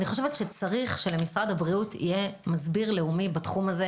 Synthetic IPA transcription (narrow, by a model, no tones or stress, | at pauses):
niχo̞ʃevetʃet͡saʁiχʃe̞lemisʁad̪habʁiutʰḭje̞mazbiʁleumibatχumaze